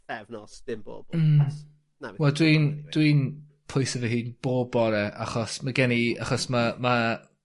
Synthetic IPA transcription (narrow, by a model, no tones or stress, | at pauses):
ɛvnɔsd̥ɪmbo̰ːbm̩ | nawɛlˠdwind̥wiːn | pʰʊjsəvɛɦɨːnb̥oːbɔɾɛʔa̰χɔsmaɡɛnia̰χɔsmama